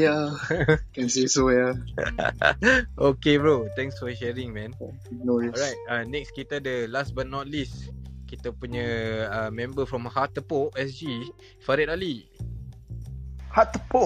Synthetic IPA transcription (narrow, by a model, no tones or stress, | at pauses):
ja | kansisoja | okebɹot̪ɛ̃ŋsfɔʃɛɾĩŋmɛ̃n | noɔajt̚anɛkskit̪adəlasbat̚nɔt̪̚liskit̪apuɲəəmɛ̃mbəfɹɔmhat̪ːəpoʔɛsd͡ʒi | faɾɛt̚ali | hat̪əpoʔ